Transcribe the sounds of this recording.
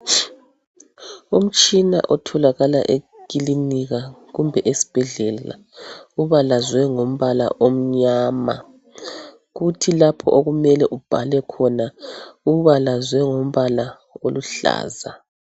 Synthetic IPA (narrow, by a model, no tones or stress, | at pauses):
um̩t͡ʃʼina̰ʔɔtʰɔlaɣala̰ʔe | kʼiliniɣaɣumbʱɛʔesi̥b̥ʱɛɮɛla̰ | uβalazwɛŋom̩βala̰ʔom̩ɲaːma̰ | ɣutʰilapʰɔʔoɣumɛlɛʔub̥ʱalɛkʰɔnauβalazwɛŋom̩βala | oluɬa̰ːza